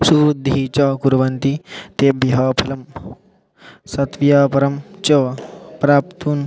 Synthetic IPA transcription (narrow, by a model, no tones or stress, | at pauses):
suːɾud̪ʱiit͡ʃɐkuɾʋɐnt̪it̪eːbjɐɦɐːpʰɐlɐm | sɐt̪ʋjaːpɐɾɐmt͡ʃɐpɾaːp̚t̪uːn